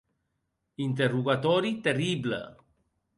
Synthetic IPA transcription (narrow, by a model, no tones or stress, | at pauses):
int̪̬eruɣat̪ɔɾit̪eriblə̰